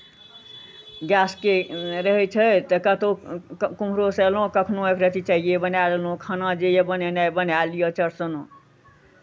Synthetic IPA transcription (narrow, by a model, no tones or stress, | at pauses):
ɡjaskeɾəɦɛt͡ʃʰət̪əkət̪okum̤ɾosəlɦõkəkʰnoekɾət̪it͡ʃaɦijebənallõkʰənad͡ʒejebənenajbənalijət͡ʃəɾsəno